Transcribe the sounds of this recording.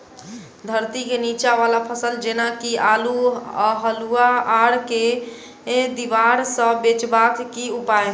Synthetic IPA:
d̪ʱəɾt̪ikenit͡ʃaβalapʰəsəld͡ʒenakialuɦəluaːɽke | d̪iʋaɾsə̃bet͡ʃbat̪kiupae

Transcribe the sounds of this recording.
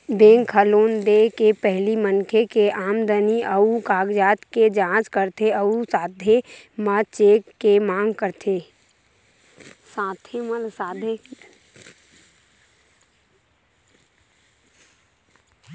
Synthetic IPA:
bẽːŋkʰəloːnd̪ekepɛɦlimənkʰekeʔaːmd̪əniəukaːɡd͡ʒaːt̪ked͡ʒãːt͡ʃkəɾt̪ʰeəusaːd̪ʱe | məlt͡ʃeːkːemãːŋɡkəɾt̪ʰeː | sãːt̪ʰeməlsaːd̪ʱe

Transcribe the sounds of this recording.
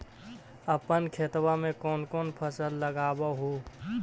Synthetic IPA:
əpənkʰet̪wamẽkɔːnkɔːnpʰəsəlːəɡaːbaɦo

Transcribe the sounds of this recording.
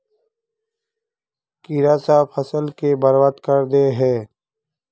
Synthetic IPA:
kiɾaːsaːpʰəsəlkebəɾwat̪kəɾd̪eɦɛː

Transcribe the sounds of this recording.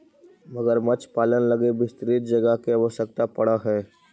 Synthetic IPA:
mɐɡəɾmɐt͡ʃpaːlənlɐɡebɪst̪ɾiːt̪̚d͡ʒɐɡəɦkeaʋəʃəkt̪apɐɽaɦɛː

